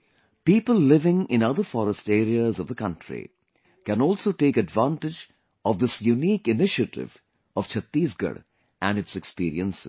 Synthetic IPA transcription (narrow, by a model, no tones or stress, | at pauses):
piːpəllɪʋɪ̃ŋɪ̃nʌd̪əfɔːɾəsʈeːɾiəzɔvd̪əkʌ̃nʈɾḭ | kæ̃nɔːlsoːʈeːkɨɖʋãːnʈɪd͡ʒ | ɔʋd̪ɪsjuniːkɪnɪʃəʈɪ̰ʋ | ɔʋ̥t͡ʃʰət̪ːiːzɡə̰ɽ | ʔæ̃nɖɨtsɛkspiːɾḭə̃nsɪ̰̥